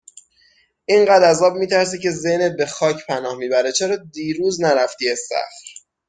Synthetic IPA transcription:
ʔiɴɢæːd̪æzɒːbmiːt̪ʰæɾs̬iːcʲʰe̞zenebe̞xɒːcʰpʰænɒːhmiːbæɾet͡ʃʰeɾɒːd̪iːɾuːznæɾæft̪iːæsæ̰xɾ

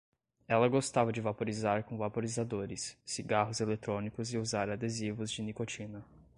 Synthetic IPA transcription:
ɛlɐɡost̪avɐd͡ʒɪvapoɾizaɾkõvapoɾizad̪oɾɪsːiɡaɦʊzelet̪ɾõnikʊzɪuzaɾad̪ezivʊzd͡ʒɪnikot͡ʃinɐ

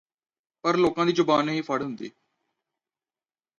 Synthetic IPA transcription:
pəɾloːkãːd̪iːd͡ʒʊbaːnɦiːpʰəɽɦʊnd̪ḭː

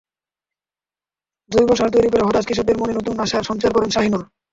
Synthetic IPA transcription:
d̪ujbɔʃaɾt̪ojɾik̬pɔɾeɦɔt̪ad͡ʑkiʃob̚d̪eɾmonenot̪unːaʃaɾʃɔnt͡ɕaɾkɔɾenʃaɦinon

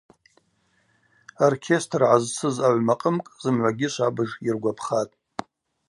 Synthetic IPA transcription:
orkʲʰe̞stʰrʕazt͡sʰɨzaʕʷmaqʼəmkʼz̥ɨmʕʷaɡʲɪʃʷabɨʐirɡʷapʰχatʼ

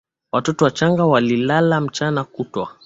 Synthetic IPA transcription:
watɔtɔwat͡ʃaŋɡawalilalam̩t͡ʃanakutwa̰

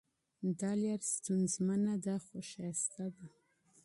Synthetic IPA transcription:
d̪ɑljaɾst̪unzmanad̪aχʷoʃast̪ad̪a

